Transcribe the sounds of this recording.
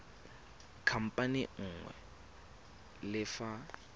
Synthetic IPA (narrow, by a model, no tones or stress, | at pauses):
kʰam̩pʼanɪŋ̩ːŋwɛ̰ | lɪfa